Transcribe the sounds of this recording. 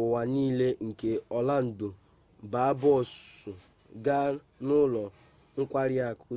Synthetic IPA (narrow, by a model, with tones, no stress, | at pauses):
ʊ˨wa˨niː˦le˦ŋ̩˨ke˦ɔ˨la˦n̩˨dʊ˨ | ba˨a˦bɔ˦˨sʊ˨ | ɡa˦ | nʊ˦lɔ˨ | ŋ̩˦kʷa˦ɾɪ˦a˨kʰʊ˦